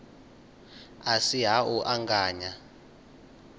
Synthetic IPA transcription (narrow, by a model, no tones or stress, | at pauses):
asiɦaʔuʔaŋɡaːɲa